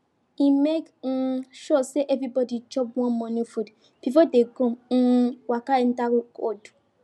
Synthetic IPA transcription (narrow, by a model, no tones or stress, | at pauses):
imek | ʃɔseʔɛvɾibɔdid͡ʒɔbwɔ̃nmɔ̃nifud | b̥ifɔdeɡõwakaɛ̃ndawkɔd